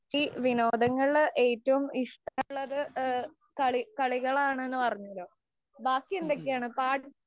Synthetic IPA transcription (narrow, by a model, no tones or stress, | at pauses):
iʋino̞ːd̪ɐŋːɐɭɭʔe̞ːtːɐʋumiʂʈɐɭːɐðɨ | kɐɭikɐɭiɣɐɭaːɳɨe̞nːɨpɐrɐɲːuɐloː | baːkːijend̪e̞kːejaːɳɨpaːʈ